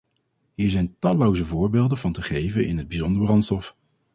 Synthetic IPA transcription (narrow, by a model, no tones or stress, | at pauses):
ɦiːɹzɛjntɑlowzəvʊːɹbeːlˠdənvɑntəχejvənʔɪ̰nɦəd̚bizɔndəɹbrɑntstɔf